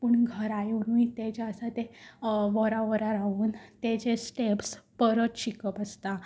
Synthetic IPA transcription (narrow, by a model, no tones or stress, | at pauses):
puɳɡʱəɾajonujit̪et͡ɕeəsat̪eʋəɾaʋəɾaɾaʋuːnt̪et͡ɕesʈepspəɾət̪ɕikəpəst̪a